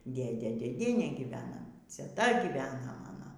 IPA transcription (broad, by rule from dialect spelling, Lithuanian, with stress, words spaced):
ˈdʲeːdʲeː dʲeːˈdʲiɛnʲeː ɡʲɪˈʋʲæːnɐ t͡sʲɛˈtɐ ˈɡʲiːʋʲɛnɐ ˈmɑːnoː